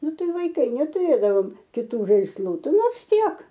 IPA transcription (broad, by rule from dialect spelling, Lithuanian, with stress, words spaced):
ˈnʊ ˈtɐɪ ʋɐɪˈkɐɪ nʲɛtʊˈrʲeːdɐʋoːm kʲɪˈtuː ʒɐɪsˈlˠuː ˈtʲɪ ˈnoːrs ˈtʲiɛk